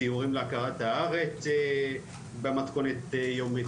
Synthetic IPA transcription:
iuʁimleakaʁat̪haaʁet͡s | bemat̪ko̞net̪jomi

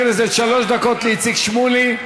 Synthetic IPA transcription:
nezeʃaloʃd̪akot̪leit͡sikʃmuli

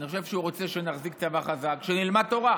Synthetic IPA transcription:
niχo̞ʃe̞vʃeuʁo̞t͡seʃenaχzik̚t͡savaχazakʃenilmad̪̚t̪o̞ʁa

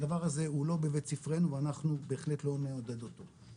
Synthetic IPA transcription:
d̪avaʁaze̞ulo̞bevett͡sifʁenuveanaχnube̞ːχle̞t̪lo̞meod̪ed̪ot̪o̞

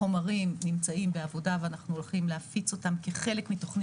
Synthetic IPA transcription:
o̞maʁimnimt͡saimbeavo̞daveanaχnuolχimleafit͡so̞tamkeχe̞le̞kmito̞χn

